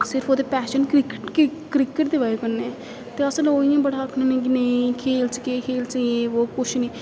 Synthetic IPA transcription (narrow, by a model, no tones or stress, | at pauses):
sɪɾpʰoːd̪eːpɛːʃənkɾkkɾɪkəʈd̪eʋaːekəɾneɛː | t̪eːəsəloːijãːbəɽaːkʰnẽːnẽːkineĩkʰeːlt͡ʃkeːkʰeːlt͡ʃːeːoːkʊʃʰniː